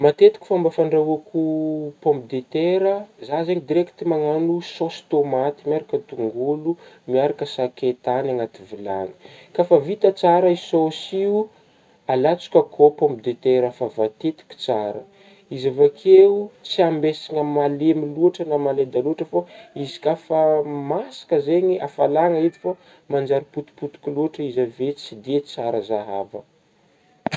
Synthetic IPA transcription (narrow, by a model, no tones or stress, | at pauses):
mat̪et̪i̥kʲi̥fambafaɳɖ͡ʐaakupompid̪et̪eɾəzazeɲid̪iɾɛkt̪imaŋanusost̪omat̪imiaɾakət̪uŋɡulu | miaɾakəsaket̪anaŋat̪ivila̰ni̥kafavit̪ət͡saɾəisosiu | alat͡su̥kʲəkʰopõmp̚d̪et̪eɾəfavat̪et̪i̥kʲi̥t͡saɾə̰ | izavakʰeut͡siambesiŋəmalemiluaʈ͡ʂənamaled̪aluaʈ͡ʂəfaizi̥kafəmasḁkəzeɲiʔafalaŋəid̪ifa | mand͡ʒaɾiput̪u̥put̪u̥kʲiluaʈ͡ʂəizavet͡sid̪et͡saɾəzaɦa̰və̰